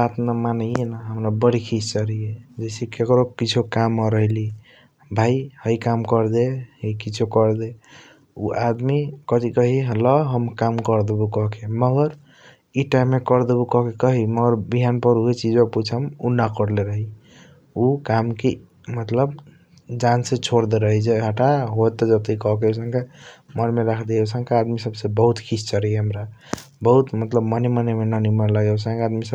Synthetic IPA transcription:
bat̪namanəjenaɦəmɾabəɽikʰist͡ʃəɾijed͡ʒesikekɾokit͡ʃʰukamɾəɦili | bʱaihəikamkəɾd̪eɦəjkit͡ʃʰokəɾd̪e | ṵʔad̪mikət̪ikəɦiɦəlɔɦəmkamkəɾd̪ebukɔkʰeməɡəɾ | iʈamːekəɾd̪ebukɔkʰekəɦiməɡəɾbiɦanpəɾuɦet͡ʃid͡ʒeput͡ʃʰəmunakəɾleɾəɦi | ukamke | mət̪ləb | d͡ʒanset͡ʃʰoɽd̪eɾəɦid͡ʒeɦaʈaɦot̪ɔd͡ʒət̪eikɔɦkeusə̃ŋkemənmeɾakʰd̪eusə̃ŋkead̪misəbsebəɦut̪kʰit͡ʃʰt͡ʃəɾɦiɦəmɾa | bəɦut̪mət̪ləbmənemənemenənimanlaɡesãŋkead̪misəb

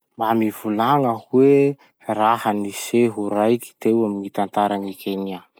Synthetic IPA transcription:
mbamivulaŋəhwe | rahəniseɦuɾajki̥t̪ewaminit̪ant̪aɾanikʲʰenia

